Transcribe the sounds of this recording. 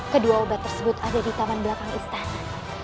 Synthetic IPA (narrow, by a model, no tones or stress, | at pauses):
kəduaobat̪ːərsəbʊt̪adadit̪amanbəlakaŋḭst̪an